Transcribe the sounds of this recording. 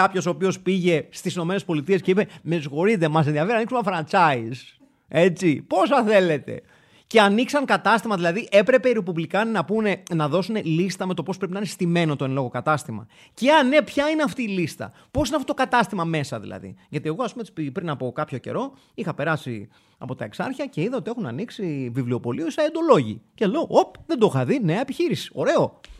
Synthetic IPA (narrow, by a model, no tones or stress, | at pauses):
kɐpço̞so̞ːpio̞spiʝe̞st̪isino̞me̞nespo̞lit̪ie̞sce̞ipe̞mesxo̞ɾit̪e̞mɐs̬enðiɐfeɾɐniksumɐfɾɐnt͡sɐiz | e̞t͡sipo̞sɐθe̞le̞t̪e̞̰ | ce̞ɐniksɐŋkɐt̪ɐst̪imɐðilɐðiʔe̞pɾe̞pe̞iɾepuvlikɐnɐpune̞nɐðo̞sune̞list̪ɐme̞t̪o̞popɾepinɐinest̪ime̞no̞t̪oenlo̞ɣo̞kɐt̪ɐst̪imɐ̰ | ceɐne̞pçɐineɐft̪iːlist̪ɐ̰ | po̞sinɐft̪ot̪okɐt̪ɐst̪imɐme̞sɐðḭlɐ̰ðḭʝɐt̪ie̞ɣo̞ɐspumet̪i̥spipɾinɐpo̞kɐpço̞ce̞̰ɾo̞ | ixɐpe̞ɾɐsḭ | ɐ̰po̞t̪ɐe̞ksɐɾçɐce̞iðeo̞t̪ie̞xunɐ̰niksivivlio̞po̞lioisɐend̪o̞lo̞ʝḭceleoʔopðend̪oxɐðineɐepiçiɾisi̥o̞ɾe̞o̞